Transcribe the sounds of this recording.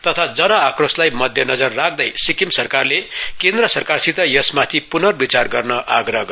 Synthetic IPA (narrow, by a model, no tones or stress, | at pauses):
t̪ʌt̪ʰad͡zʌnʌakroslajmʌd̪ʱjʌnʌd͡zʌrːak̚ʰd̪ʌjsikimsʌrkarlekẽnd̪rʌsʌrkarsit̪ʌjʌsmat̪ʰipunʌrbit͡sarɡʌrnʌʔaɡɾʌɦɡ